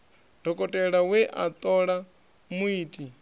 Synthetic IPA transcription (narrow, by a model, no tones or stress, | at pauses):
d̥ʱɔkʼɔtʼɛɺawɛʔa̰t̪ʼɔɺa | muiːt̪ʼi